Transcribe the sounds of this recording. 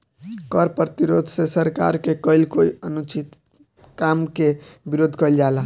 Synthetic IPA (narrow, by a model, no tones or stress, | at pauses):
kəɾpɾət̪iɾod̪ʱsesəɾka̰ɾkekəilkoiənut͡ʃit̪ | kamkebiɾod̪ʱkəjld͡ʒala